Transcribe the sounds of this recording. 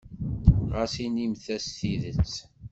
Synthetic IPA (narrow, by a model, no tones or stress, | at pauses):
ʁasinimθæsθiðət͡sː